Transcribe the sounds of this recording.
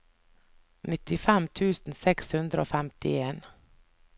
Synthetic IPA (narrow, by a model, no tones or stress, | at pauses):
nɪt̪ɪfɛmt̪ʰʉːsn̩sɛkshʉnd̪ɾəo̰ːfɛmt̪ɪeːn